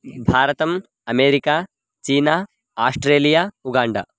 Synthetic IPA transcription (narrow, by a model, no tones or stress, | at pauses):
bʱaːɾɐt̪ɐm | ɐmeːɾikaː | t͡ʃiːnaː | aːsʈɾeːlijaːuɡaːɳɖa̰